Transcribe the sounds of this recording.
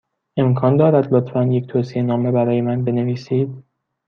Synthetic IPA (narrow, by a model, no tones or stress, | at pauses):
e̞mkʰɒːnd̪ɒːɾæd̪lot̪ʰfænje̞ct̪ʰoːsienɒːme̞bæɾɒːje̞mænbe̞ne̞viːsiːd̪̥